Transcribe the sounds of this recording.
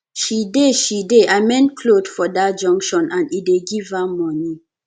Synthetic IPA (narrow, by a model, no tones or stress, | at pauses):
ʃideʃideʔamɛ̃nkʰlodfɔdat̚d͡ʒɔ̃ŋkʃɔ̃nãnideɡivamɔni